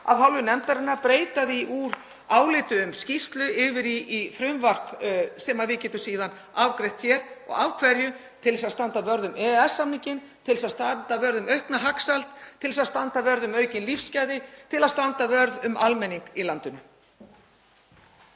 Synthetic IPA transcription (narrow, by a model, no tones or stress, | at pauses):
a̰vɦawlvʏnɛmt̪aɾɪnːapɾeːjt̪aðɪiʔuːɾ | aːwlɪːt̪ʏʏmscist̪lʏɪvɪɾiːfɾʏmvar̥psɛmaðvɪcɛːt̪ʏsiːðan | avkɾejht̪fjɛɾ̥ɔ̰ɣawkʰvɛɾjʏ | t̪ʰɪlsaðst̪ant̪avœɾðʏmɛɛsːamniɲcɪn | t̪ʰɪlsaðst̪ant̪avœɾðʏmœɥhknaɦaksalt̪ʰːɪlsaðst̪ant̪avœɾðʏmœɥcɪnlifscaːjðɪt̪ʰɪlaðst̪ant̪avœɾðʏmʔalmɛnːiŋkilant̪ʏnʏ